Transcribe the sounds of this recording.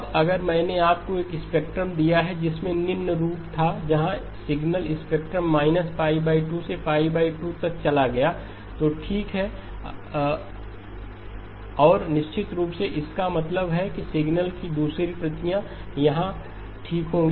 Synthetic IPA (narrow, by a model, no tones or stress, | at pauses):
bɐɡəɾmɛ̃ːneaːp̚koeːkɪspeːk̚ʈɾəmd̪ijaɦɛd͡ʒɪsmẽnɪnːəɾuːpt̪ʰad͡ʒɐɦã | sɪɡnəlɪspeːk̚ʈɾəmːaːɪnəspaːɪʋbaːiʈusefaːibaːɪʈut̪ɐk̚t͡ʃɐlaɡɐja | t̪oːʈʰiːkɦɛ | ɔːɾnɪʃt͡ʃɪt̪ɾuːpseʔɪskamɐt̪ləbɦɛkisɪɡnəlkid̪uːsɾipɾɐt̪ijãjɐɦã | ʈʰiːkɦõːɡi